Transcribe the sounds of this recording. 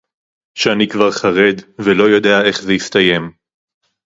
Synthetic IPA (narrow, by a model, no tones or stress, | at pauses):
ʃeanikvaʁχaʁe̞d̪velo̞jo̞d̪e̞ae̞χzeist̪aje̞m